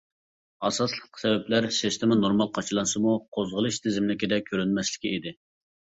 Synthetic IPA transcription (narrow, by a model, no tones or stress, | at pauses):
ɑsɑslˠə̥qʰːsɛvɛplæɾsist̪ʰɪmɑnoɾmɑlˠqʰɑt͡ʃʰɨlˠɑnsɨmuqʰozʁəlˠɨʃt̪ʰɪzɪmlɪkʲɪd̪ɛkʲʰːøɾynmɛslɪ̥kʲiid̪ɪ